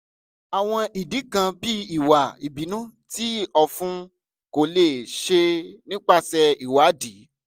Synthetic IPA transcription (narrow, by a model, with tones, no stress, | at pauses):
a˨w̃ɔ̃˧i˨di˨˦kã˧bi˦i˨wa˨i˨bi˨˦nũ˦ti˦ɔ˧fũ˦ | ko˨le˨ʃe˧nĩ˦k͡pa˦˨sɛ˧i˨wa˨˦di˨˦